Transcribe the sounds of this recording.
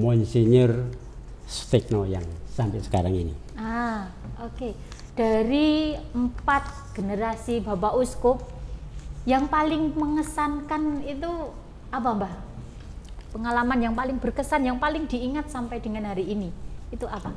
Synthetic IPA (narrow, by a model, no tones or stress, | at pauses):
mɔnsiɲər | sfɪk̚noja̰ŋsampɪsə̥kaɾaŋḭnḭ | a | oke | d̥aɾiəmpat̪̚ | ɡ̥enəɾasibabaʔuskʊk̚ | jaŋpalɪŋməŋəsankanit̪u | ap̬ambah | pəŋalamanjaŋpalɪŋbərkəsanjaŋpalɪŋdi̤ːŋat̪̚sampajdəŋanɦaɾiːniːt̪uʔapa